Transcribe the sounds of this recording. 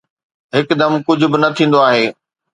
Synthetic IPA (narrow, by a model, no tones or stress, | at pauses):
ɦɪkd̪ɐmkʊd͡ʑʱʊ̆bɪnɐt̪ʰĩːnd̪oaːɦeː